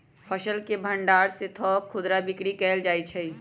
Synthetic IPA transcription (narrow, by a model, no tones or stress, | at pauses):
pʰɐʃəlkebʱɐ̃ɳɖaːɾset̪ʰɔːkʰːʊd̪ɾabɪkɽikɛːld͡ʒaːit͡ʃʰɐi